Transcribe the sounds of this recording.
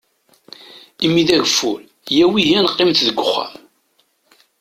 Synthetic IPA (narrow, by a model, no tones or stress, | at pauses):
imːiðæʝəfːul | jæwihiænqːɪmθðəɡʷːʊχːæ̰m